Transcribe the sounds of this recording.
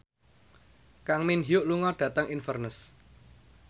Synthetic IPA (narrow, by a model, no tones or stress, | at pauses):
kaŋminɦiʊʔluŋɔɖ̥ä̤t̪əŋinfərnəs